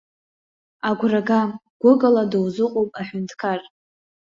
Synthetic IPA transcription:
aɡʷraɡaɡ̥ʷʊɡaladɨwzɨqʼowpʼaħʊntʰkʰar

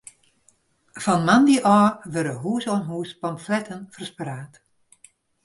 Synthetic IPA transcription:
fɔnmandiʔɔːʋərdəɦuːsoənɦuːspɔmflɛtʰənfərspraːt

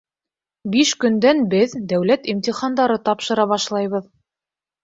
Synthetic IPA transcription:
biʃkɵ̆nd̪ænbɘðd̪æwlæt̪imt̪ʲiχɑnd̪ɑɾɤt̪ɑpʃɤ̆ɾɑβɑʃlˠɑjβɤð

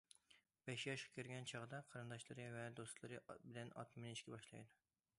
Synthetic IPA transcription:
bɛʃjɑʃqɑ̥kʲʰyɾɡʲɛnt͡ʃʰɑʁd̪ɑqʰɑɾɨnd̪ɑʃlˠɨɾɨvɛd̪ost̪lˠɨɾɨbɪlɛnɑ̰t̪ʰmɪniʃkʲɛbɑʃlˠɑ̰jd̪u

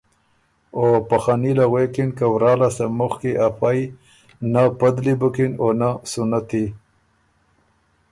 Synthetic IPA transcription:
opaxanilaɣwekinkawɾɑːlasamʊxkiʔafaj | napad̪libʊkinonasunat̪i

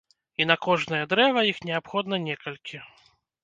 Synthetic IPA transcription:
inɐkɔʐnɐjɛd̪ɾɛvɐjixnʲɛapxɔd̪nɐnʲɛkɐlʲkʲʰi

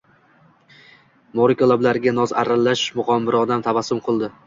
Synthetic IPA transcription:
mɒɾɪkʲɒlˠablaɾɪɡʲanɒza̰ɾalːaʃmʊqɒmbɪɾɒd̪amt̪ʰavasːʊmqʰɨlˠd̪ɪ

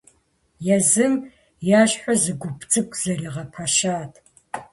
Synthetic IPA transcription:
jazɨm | jaːɕħʷɔzɨɡʷʊbʰt͡sʼɨkʷʼz̥ɐriːʁɐpʰaʃaːtʰ

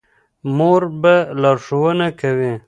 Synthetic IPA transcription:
moɾbalaɾʂowənakawi

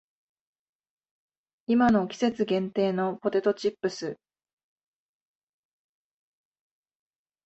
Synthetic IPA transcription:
imano̞kʲi̥se̞t͡sɨɡẽ̞nt̪e̞ːno̞po̞t̪e̞t̪o̞t͡ɕipːɯ̟sɨ

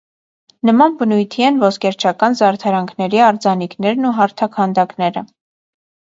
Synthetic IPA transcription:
nəmɑnbənujt̪ʰiɛnvɔskɛɾt͡ʃʰɑkɑnzɑɾt̪ʰɑɾɑŋkʰnɛɾiɑɾd͡zɑniknɛɾnuɦɑɾt̪ʰɑkʰhɑnd̪ɑknɛɾə̰

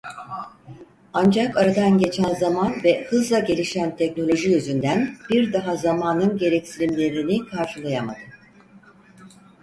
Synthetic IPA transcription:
and͡ʒakaɾad̪anɟe̞t͡ʃʰænzamanvɛhɯzlˠaɟe̞lʲiʃænt̪ʰɛcno̞lʲo̞ʒijøzynd̪ænb̥iɾd̪aɦazamaːnɯnɟe̞ɾɛcsilʲimlʲe̞ɾinikʰaɾʃɯlˠajamad̪ɯ

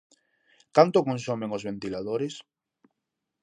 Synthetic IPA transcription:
kant̪okonsomẽŋozβent̪ilað̞oɾes

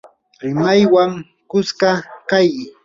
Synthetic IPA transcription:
ɾɪmajwaŋ | kʊskakaj

